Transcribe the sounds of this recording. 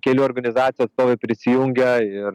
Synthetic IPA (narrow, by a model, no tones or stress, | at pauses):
kʲɛlʲuːɔɾɡɐnʲɪzɑːt̪ʲjuɐt̪st̪oːʋʲeɪpʲɾʲɪsʲɪjuŋʲɡʲɛɪr